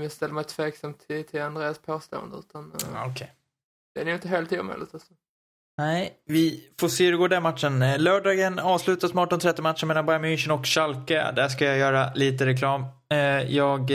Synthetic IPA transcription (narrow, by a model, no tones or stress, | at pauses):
mɪst̪ɛlːəmaɪt̪ʰveːksamt̪ʰːɪt̪ʰɪland̪ɾeːaspʰoːst̪o̰ːə̰nd̪əʉ̟ːt̪ʰanɔkʰɛj | d̪̥ɛɾæjʏɪnt̪əɦeːlt̪ʰiːmḛlɪ̰t̪alsɔ | nɛɪvɪfoːʂeːɵɾɛɡoːɖ̪æmat̪ʂənlœːɖɑːɡənɑːvslʉ̟ːt̪asmɑːʈɔnt̪ʰɾɛt̪ːɛmat̪ːʂəmeːlanbaɾmʏnɕənɔkɕalka̰d̪æʂkajajœːɾaliːt̪əɾɛkʰlɑːm | jɑːɡ